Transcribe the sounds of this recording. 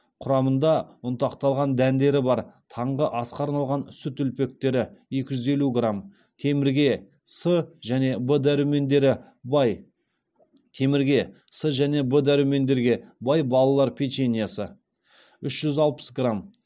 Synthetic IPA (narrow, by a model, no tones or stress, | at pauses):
qʰʊɾɑmənd̪ɑʊnt̪ɑqt̪ɑlˠʁɑnd̪ænd̪e̞ɾɪbɑɾt̪ʰɑɴʁəʔɑsqɑɾnɑlˠʁɑnsʏt̪ʏlpe̞k̚t̪e̞ɾɪje̞kʲɪʒʏze̞luɡram | t̪ʰe̞mɪɾɡʲe̞ | səʒæne̞bəd̪æɾuwme̞nd̪e̞ɾɪ | bɑj | t̪ʰe̞mɪɾɡʲe̞ | səʒæne̞bəd̪æɾuwme̞nd̪e̞ɾɡʲe̞bɑjbɑlˠɑlˠɑɾpʲʰet͡ʃenʲijasə | ʏʃʒ̥ʏzɑlˠpə̥sɡram